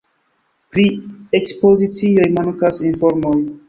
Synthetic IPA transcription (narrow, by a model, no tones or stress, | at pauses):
pɾiekspo̞zit͡sio̞jmankasinfo̞ɾmoj